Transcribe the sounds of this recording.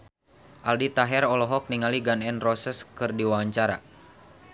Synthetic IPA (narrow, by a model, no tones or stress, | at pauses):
ʔaldit̪aɦɛɾɔlɔɦɔk̚niŋaliɡanɛnrɔsɛskɨrdiwawaɲt͡ʃaɾa̰